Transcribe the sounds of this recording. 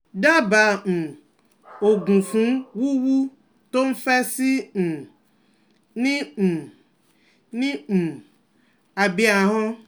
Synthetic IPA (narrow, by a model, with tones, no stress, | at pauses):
ɖa˦ba˨ñ̩˨ | o˨ɡũ˨fũ˨˦wu˦wu˦ | t̪o˦m̩˦fɛ˦si˦n̩˨ | nĩ˦˨ | nĩ˦m̩˨ | a˨bi˦a˨ɦɔ̃˦